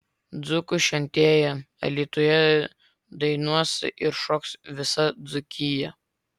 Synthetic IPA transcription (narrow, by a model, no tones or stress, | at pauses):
d̪zʊkʊʃʲɛnʲt̪ʲeːjɛ | ɐ̰lʲiːt̪ujɛ | d̪ɐɪnuɔsʲɪ̰ʔɪɾʃɔːksʋʲɪsɐd̪zʊkʲɪjɛ